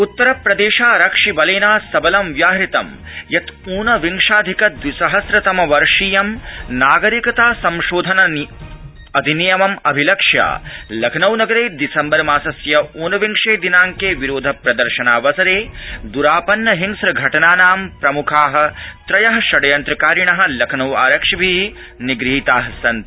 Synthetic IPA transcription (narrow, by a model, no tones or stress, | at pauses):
ut̪ːɐɾɐpɾɐd̪eːʃaːɾɐkʂibɐleːnaːsɐbɐlɐmʋjaːɦɾit̪ɐm | jɐt̪uːnɐʋiŋʂaːd̪ʱikɐd̪ʋisɐɦɐsɾɐt̪ɐmɐʋɐɾʂiːjɐmnaːɡɐɾikɐt̪aːsɐmʃoːd̪ʱɐnɐ | ɐd̪ʱinijɐmɐmɐbʱilɐkʂja̰ːlɐkʰɐnɐwnɐɡɐɾeːd̪isɐmbɐɾmaːsɐsjɐuːnɐʋiŋʂeːd̪inaːŋkeːʋiɾoːd̪ʱɐpɾɐd̪ɐɾʃɐnaːʋɐsɐɾeːd̪uɾaːpɐnːɐɦiŋsɾɐɡʱɐʈɐnaːnaːmpɾɐmukʰaːɦɐ̆t̪ɾɐjɐɦɐʃɐɽɐjɐnt̪ɾɐkaːɾiɳɐɦɐ̆lɐkʰnɐwaːɾɐkʂɐbʱi | niɡɾiɦit̪aːɦɐsɐnt̪